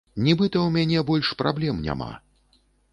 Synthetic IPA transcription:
nʲibɨt̪ɐwmʲanʲɛbɔlʲʂpɾa̰blʲɛmnʲa̰ma̰

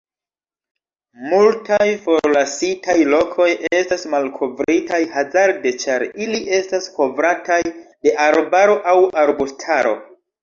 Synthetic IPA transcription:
multajfo̞ɾlasitʰajlo̞kʰo̞jʔestasmalkʰo̞vɾitajhazaɾde̞t͡ʃaɾiliʔe̞stasko̞vɾatajde̞ʔaɾbaɾo̞ʔawʔaɾbustʰaɾo̞̰

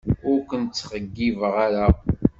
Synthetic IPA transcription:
ʊɾkʷənt͡sːχəɡːivəʁaɾa

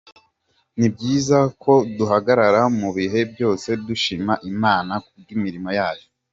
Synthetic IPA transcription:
nib̚ɟiːzakʰo̞duɦaɡaɾaɾamuβiɦe̞bjo̞ːse̞duʃimaʔimaːnak̚uɡ̚ɡimiɾimo̞jaːjo

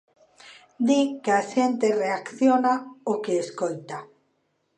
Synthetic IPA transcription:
d̪ikeaʃent̪ereakθjonaokeːskolt̪a

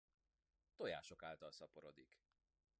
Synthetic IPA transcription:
t̪o̞ja̰ːʃo̞kaːlt̪ɒlsɒpo̞ɾo̞d̪ik

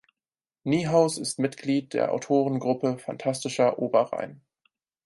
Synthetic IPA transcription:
niːɦaʊsɪstmɪtɡ̥liːt̚d̥eːɐʔa̰ʊtʰoːʁənɡʁʊpəfa̰ntʰastɪʃɐʔoːbɐʁa̰ɪn

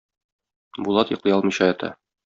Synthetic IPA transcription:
bulˠɑt̪jɤ̆qlˠɤjɒlˠmɤ̆ɕɑɛt̪ʰɑ̰

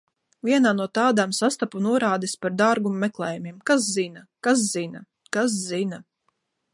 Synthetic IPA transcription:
vʲiɛnaːnuɔt̪aːd̪amsast̪apunuɔɾaːd̪ispaɾd̪aɾɡumːɛklˠɛːjumiɛmkas̬zinakas̬zina | kas̬zina

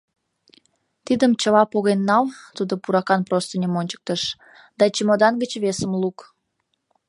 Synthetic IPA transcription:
t̪id̪əmt͡ɕəlɑpoɣenːɑlt̪ud̪opuɾɑkɑnprost̪ənʲemonʲt͡ɕə̥k̚t̪əʃ | d̪̥ɑt͡ɕəmod̪ɑnɡət͡ɕβesəmluk

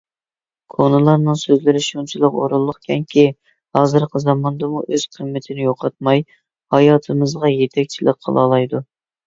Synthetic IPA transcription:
kʰonɨlˠɑɾnɨŋsøzlɪɾɪʃunt͡ʃʰilˠəqo̰ɾulˠːəχkʲʰɛŋkʲʰi | hɑːzɨɾqʰəzɑmɑnd̪ɑmuʔøz̥qʰəmːɪt̪ʰɪnɪjoqʰɑt̪̚mɑj | hɑjɑːt̪ʰɨmɨzʁɑjet̪ʰɛk̚ʲt͡ʃʰilɪk̚ʲqʰə̰lˠɑ̰lˠɑjd̪u

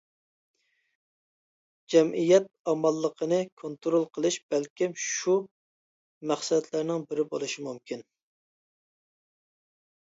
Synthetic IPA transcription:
d͡ʒɛmʔijɛt̪̚ɑmɑlˠːəqʰənɨkʰont̪ɾolˠqʰəlˠɨʃb̥ɛlkʲimʃu | mæχsɛt̪ʰlæɾnɪŋbɪɾɪbolˠɨʃimumkʲin

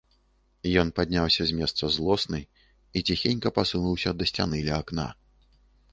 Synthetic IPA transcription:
jɔnpad̪ʲnʲawsʲɐzʲmʲɛst̪sɐzlˠɔsnɨj | it͡sʲixʲenʲkɐpasunuwsʲɐd̪ɐsʲt͡sʲanɨlʲɛakna̰

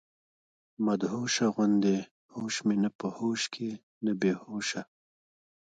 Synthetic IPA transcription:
mɐd̪hoːʃaɣʊnd̪e | hoːʃmenapəhoːʃkʰe | nəbehoːʃa

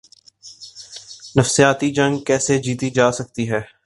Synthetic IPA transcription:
nɐfsijaːt̪id͡ʒɐ̃ŋɡkɛːsed͡ʒiːt̪id͡ʒaːsɐk̚t̪iɦɛː

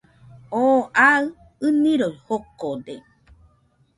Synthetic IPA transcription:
oʔaɨ | ɨnĩɾoihokod̪e

